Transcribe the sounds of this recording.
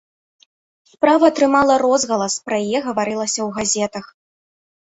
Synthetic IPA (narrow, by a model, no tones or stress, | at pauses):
spɾavɐt̪ɾɨmalˠɐɾɔzɣɐlˠɐspɾɐjajɛɣɐvaɾɨlˠɐsʲɐwɣazʲɛt̪ɐx